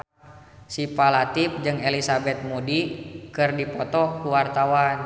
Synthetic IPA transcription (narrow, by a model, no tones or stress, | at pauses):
sipalat̪ip̚d͡ʒɨŋelisabɛt̪̚modikɨrdipɔt̪ɔkuwart̪awan